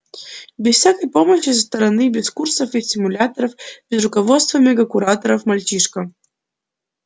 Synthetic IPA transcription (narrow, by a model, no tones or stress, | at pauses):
bʲɪsfsʲakəjpoməɕːɪs̬əst̪ɐɾɐnɨbʲɪskursəfisʲɪmulʲat̪əɾəfbʲɪzrʊkɐvɔt̪st̪vɐmʲɛɡɐkuɾat̪əɾəfmɐlʲt͡ɕiʂkɐ